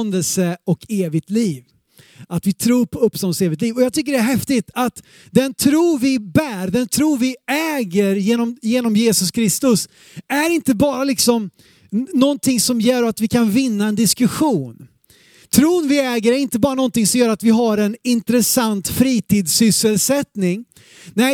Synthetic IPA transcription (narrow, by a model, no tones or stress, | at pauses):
nd̪əlsəɔkeːvɪɡt̪liːv | at̪vɪt̪ʰɾuːɾpʰɔɵpst̪ɔnəseːvɪkt̪liːvɔjɑːɡt̪ʏk̬ːəɖɛæɾɦɛft̪ɪt̪ʰat̪ | d̪ɛnt̪ʰɾuːvɪbæːɾd̪ɛnt̪ʰɾuːvɪɛːɡəɾjeːnɔmjeːnɔmjeːsɵskʰɾɪst̪ɵs | æɾɪnt̪əbɑːɾalɪksɔm | nɔnt̪ʰɪŋsɔmjɛːɾat̪vɪkʰanvɪnːaɛnd̪ɪskɵɧuːn | t̪ʰɾuːnvɪɛːɡəɾæɾɪnt̪əbɑːɾanɔnt̪ɪŋsɔmjœːɾat̪vɪɦaɾɛnɪnt̪ɾɛsant̪fɾiːt̪ʰiːd̪sʏsːəlsɛt̪nɪŋ | nɛɪ